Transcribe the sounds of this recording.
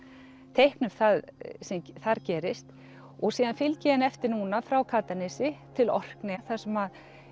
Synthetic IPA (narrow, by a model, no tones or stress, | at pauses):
t̪ʰejhknʏmθaðsɛmθaɾcɛːɾɪst̪ | ɔɣsiːðanfɪlcɛanɛft̪ɪɾnuːnafɾawkʰaːt̪anɪsɪt̪ʰɪlɔ̰r̥knɪθḁsɛmað